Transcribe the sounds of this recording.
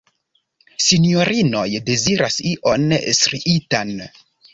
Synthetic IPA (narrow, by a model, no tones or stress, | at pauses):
sinjo̞ɾʔino̞jde̞ziɾasiʔonsɾiʔitan